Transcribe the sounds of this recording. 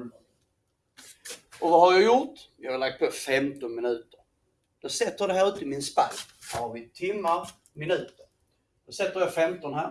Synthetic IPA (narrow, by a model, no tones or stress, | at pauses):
ɔvahaɾjɑjʊɾt̪jɑːɡaɾlak̚t̪̚pʰofɛmt̪ɔnmɪnʉ̟ːt̪əɾ | d̪̥ɔsɛt̪ːəɾd̪ɛɦæːɾʉːt̪əɪmɪnspal | d̥ɔhɑɾvɪt̪ʰɪmːaɾ | mɪnʉ̟ːt̪əɾ | d̪̥ɔsɛt̪ːəɾjɑfɛmt̪ɔnɦæːɾ